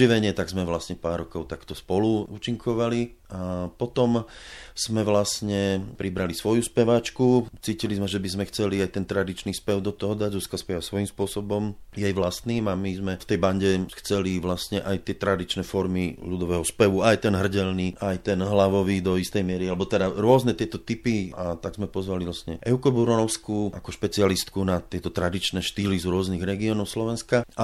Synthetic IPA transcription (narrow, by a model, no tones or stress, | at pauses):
iʋɛɲɪɛt̪aɡzmɛʋlasɲɛpaːɾːɔkɔʊt̪akt̪ɔspɔluuːt͡ʃiŋkʰɔʋali | apɔt̪ɔmz̥mɛʋlasɲɛpɾʔibɾalisʋɔjuspɛʋat͡ʃkut͡siːcilizmɛʒɛbizmɛxt͡sɛliajt̪ɛnt̪ɾad̪it͡ʃniːspɛʊd̪ɔt̪ɔɦɔd̪aɟɾuskaspɛʋasʋɔjimspʊɔsɔbɔmjɛjʋlast̪niːmamizmɛft̪ɛjbaɲɟɛxt͡sɛliʋlast̪ɲɛʔajt̪ɪɛt̪ɾad̪it͡ʃnɛfɔɾmiʎud̪ɔʋɛɦɔspɛʋuajt̪ɛnɦr̩ɟɛlniajt̪ɛnɦlaʋɔʋid̪ɔist̪ɛjmɪɛɾialɛbɔt̪ɛd̪aɾʊɔznɛt̪ɪɛt̪ɔt̪ipiat̪aɡzmɛpɔzʋalilasɲɛʔɛʊkɔbuɾɔɔʊskuʔa̰kɔʃpɛt͡sialist̪kunat̪ɪɛt̪ɔt̪ɾad̪it͡ʃnɛːʃt̪iːlizɾʊɔzniɣɾɛɡiɔnɔʊslɔʋɛnskaa